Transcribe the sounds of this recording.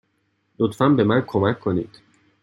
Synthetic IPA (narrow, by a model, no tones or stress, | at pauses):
lot̪fænbe̞mænkʰomæcʰːonḭːd̪̥